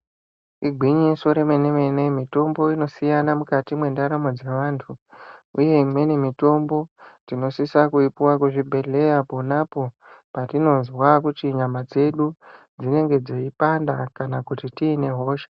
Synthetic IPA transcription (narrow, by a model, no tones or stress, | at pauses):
iɡʱwiɲisoɾemeneme̞ne̞mito̞mbo̞ino̞sijanamukatimwe̞ndaɾamo̞d͡ze̞ʋaːntʰuuje̞mwe̞nemito̞mbo̞tino̞sisakuipuwakuʐibʱe̞ɮe̞japonapo̞ | patino̞zwakutiɲamad͡ze̞ɗud͡zine̞ŋɡe̞d͡zo̞ipandakanakutitiːne̞ɦo̞ːʃḁ